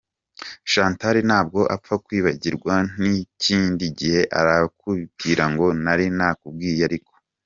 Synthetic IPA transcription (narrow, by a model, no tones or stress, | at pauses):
ʃaːntaɾinaːb̚ɡo̞ʔa̰p͡fakwiːβaɟiɾɡwan̥iciːndiɟihe̞ʔaɾakuβitiːɾaŋɡo̞naɾinaːkub̚ɡiːjaɾiko̥